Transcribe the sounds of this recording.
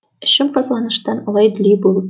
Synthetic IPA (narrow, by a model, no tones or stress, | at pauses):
ɘ̆ʃɘmqɒzlˠɑnɤ̆ʃt̪ɑnɒlˠɑj̆d̪̆lʲibulˠɤp